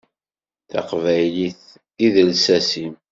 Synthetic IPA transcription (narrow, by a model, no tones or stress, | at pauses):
θɑ̰qvæjliθ | iðəlsæsim